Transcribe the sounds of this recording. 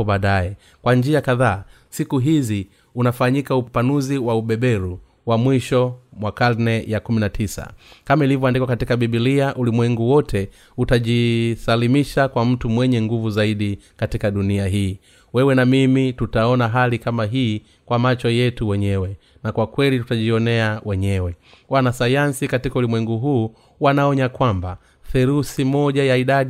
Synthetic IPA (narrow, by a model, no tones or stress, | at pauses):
ɓaːɗaɛ | kwand͡ʒiakaðaː | sikuɦizi | unafaɲikaupanuziwauɓɛɓɛɾu | wamwiʃɔmwakalnɛjakuminatʰisa̰kamailivjɔandikwakatikaɓiɓiliaʔulimwɛŋɡuwɔtʰɛ | utaʄisalimiʃakwam̩tumwɛɲɛŋɡuvuzaiɗikatikaɗuniaɦiː | wɛwɛnamimitutaɔnaɦalikamaɦiː | kwamat͡ʃɔjɛtuwɛɲɛwɛ | nakwakwɛlitu̥taʄiɔnɛawɛɲɛwɛ | wanasajansikatikaulimwɛŋɡuɦuː | wanaɔɲakwamba | θɛɾusimɔʄajaiɗaɗi